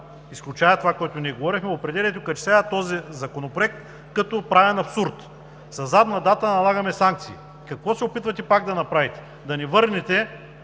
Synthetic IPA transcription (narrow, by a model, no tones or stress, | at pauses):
isklʲut͡ʃajɐt̪ovakɔjt̪oniɛɡovɔɾixmɛopɾɛd̪ɛliɛt̪okɐt͡ʃi̥saɐt̪ɔzizɐkonopɾoɛk̚t̪ | kɐt̪opɾavɛnɐpsuɾt̪ | sɐzad̪nɐd̪at̪ənɐlˠaɡɐmɛsaŋk̚t̪sḭː | kɐkvɔsɛopit̪vɐt̪ɛpaɡ̚d̪ɐnɐpɾavit̪ɛ̥ | d̪ɐnivɤɾnit̪ɛ